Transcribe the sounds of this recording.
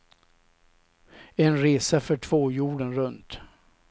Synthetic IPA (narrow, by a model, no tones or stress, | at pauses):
ɛnɾeːsafœʈʰv̥oːjuːɖənɾɵnt̪